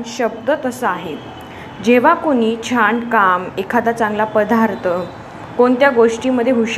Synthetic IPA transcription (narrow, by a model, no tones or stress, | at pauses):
nɕəb̚d̪ət̪əsəaɦe | d͡ʑeʋ̤akoɽ̃iːt͡ɕʰaɳɖkamekʰat̪at͡sãŋɡlapəd̪aɾt̪ə | koɳt̪jaɡoʂʈiməd̪ʱːjeɦuɕ